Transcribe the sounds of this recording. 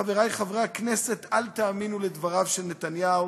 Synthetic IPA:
aveʁajχavʁeaknese̞t̪alt̪aːminuled̪vaʁavʃelnet̪anjau

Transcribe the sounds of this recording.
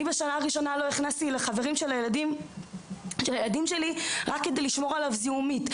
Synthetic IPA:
ibaʃanaːʁiʃo̞nalo̞iχnast̪ileχaveʁimʃe̞lajeladim | ʃelajelad̪imʃe̞liʁakːe̞d̪ejliʃmo̞ʁalavziumit

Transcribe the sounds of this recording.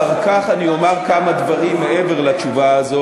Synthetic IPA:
kaχaniomaʁkamad̪vaʁimːeʔeve̞ʁlat͡ʃuvaːzo

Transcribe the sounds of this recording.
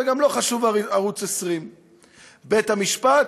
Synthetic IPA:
eɡamlo̞χaʃuvaʁut͡sesʁim | be̞t̪hamiʃpat

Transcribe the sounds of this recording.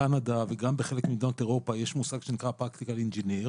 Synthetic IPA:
anad̪aveɡambeχe̞lekmid̪ot̪eʁo̞pajeʃmusaɡʃenikʁapʁakt̪ikalind͡ʒeniʁ

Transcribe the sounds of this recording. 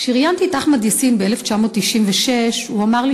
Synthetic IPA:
ʃiʁjant̪itaχmad̪jasinbeeleft͡ʃamo̞ːt̪ːiʃimveʃe̞ʃuamaʁli

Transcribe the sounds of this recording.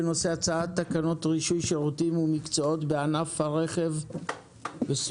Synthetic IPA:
eno̞se̞at͡saat̪ːakano̞t̪ʁiʃujʃeʁutimumikt͡so̞o̞tbe̞anafhaʁe̞χe̞v | bes

